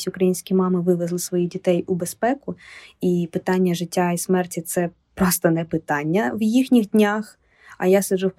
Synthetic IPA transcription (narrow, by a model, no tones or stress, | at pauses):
sʲʊkɾɐjinʲsʲkʲijmɑmɪʋɪʋezlˠɪsʋɔjidʲit̪ɛjʊbespɛkʊipɪt̪ɑnʲːɐʒɪtʲːaismɛrtʲit̪sɛ | pɾɔst̪ɐnɛpɪt̪ɑnʲːɐwjixnʲiɣdʲnʲax | ɐ̰jasɐʒɛwp